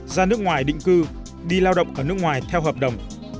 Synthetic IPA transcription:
zaː˧nɨ˦˥ək̚ŋwaː˨˩jɗḭ˧˨ŋ̟kɨ˧ | ɗi˧laː˧wɗə̰˧˨wŋ͡mʔəː˧˩nɨ˦˥kŋwaː˨˩jt̪ʰɛ˧wɦəː˨˩p̚ɗə˨˩wŋ͡m

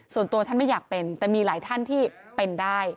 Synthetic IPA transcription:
su˨˩ənt̪u˧ɐt̪ʰa˥˩nma˥˩jaː˨˩k̚pe˧nt̪ɛː˨˩miː˧laː˩˦jt̪ʰa˥˩nt̪ʰiː˥˩pe˧ndaː˥˩j

